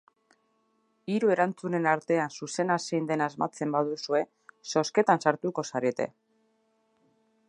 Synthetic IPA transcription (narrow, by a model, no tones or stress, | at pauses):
iɾue̞ɾant͡sune̞naɾt̪e̞ansuse̞naseind̪e̞nazmat͡se̞mbaðusue̞ | so̞ske̞t̪ansaɾt̪uko̞saɾet̪e̞̰